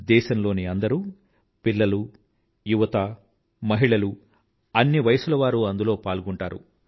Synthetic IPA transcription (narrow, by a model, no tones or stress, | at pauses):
d̪ɛːʃɐmlo̞ːniɐnd̪ɐɾu | pilːɐlu | juʋɐt̪aː | mɐɦiɭɐlu | ɐnːiʋɐjɐsulɐʋaːɾuɐnd̪ulo̞ːpaːlɡuɳʈaːɾṵ